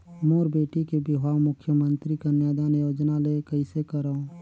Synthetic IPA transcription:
moːɾbeːʈikebɪɦaːʋmʊkʰːjəmə̃nt̪ɾikɐnjaːd̪aːnjoːd͡ʒnalekəisekəɾõː

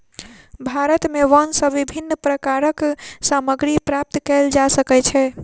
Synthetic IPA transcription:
bʱaɾət̪meʋənsəʋibʱinːəpɾəkaɾəksaməɡɾipɾap̚t̪kɛld͡ʒasəkɛt͡ʃʰɛ

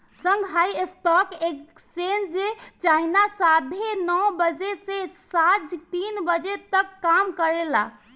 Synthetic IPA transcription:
səŋɡɦajesʈɔkekst͡ʃend͡ʒd͡ʒet͡ʃainasad̪ʱenɔwbəd͡ʒesesad͡ʒʱt̪inbəd͡ʒet̪əkːamkəɾela̰

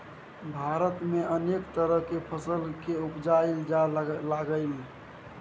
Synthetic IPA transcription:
bʱaɾət̪meʔənekt̪əɾəɦkepʰəsəlkeupd͡ʒaeld͡ʒalaɡəɪli

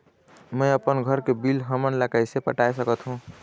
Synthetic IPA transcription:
mə̃jəpənɡʱəɾkebilɦəmənləɡajsepəʈajsəkət̪ɦũ

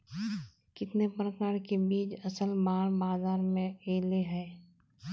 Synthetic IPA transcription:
kɪt̪nepɾəkaːɾkebiːd͡ʒəsəlbaːɽbaːzaːɾmẽeːleɦɛː

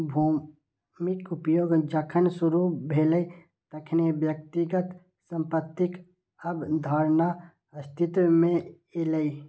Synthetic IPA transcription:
bʱuː | mɪkʊpjoːɡd͡ʒəkʰənsuɾubʱeːləi | t̪ɐkʰnebjək̚t̪iɡət̪ | sə̃mpət̪ːɪk | ɐbd̪ʱaːɾna | ɐst̪ʰɪt̪mẽ | eləi

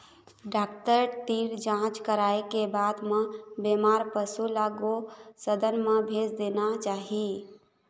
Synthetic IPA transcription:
ɖakʈəɾʈiɾd͡ʒãt͡ʃkəɾaekebad̪mẽbemaɾpəsulaɡosəd̪ənmẽbʱed͡ʒd̪enat͡ʃaɦi

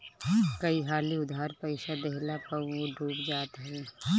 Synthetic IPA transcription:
kɐiɦaːliʊd̪ʱaːɾpɐɪʃad̪ɛɦlapɐ̃õɖʱuːpd͡ʒaːt̪ɦɛ̃

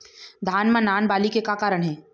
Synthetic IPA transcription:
d̪ʱaːnmãnaːnbaːlikekakaːɾəɽ̃ɦɛ̃ː

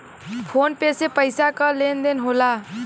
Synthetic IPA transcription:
pʰonpesepəɪsakəlend̪enɦola

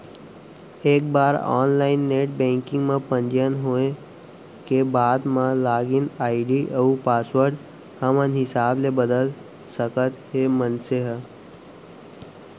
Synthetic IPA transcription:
eːk̚baːɾɔ̰ːnlaːɪnːeːʈ̚bẽːŋkɪ̃ŋɡmẽpənd͡ʒjənɦoːẽ | kebaːd̪mãlaːɡinaːiɖiʔəupaːsʋəɾɖ | həmənɦɪsaːblebəd̪əl | səkət̪ɦemənseɦə

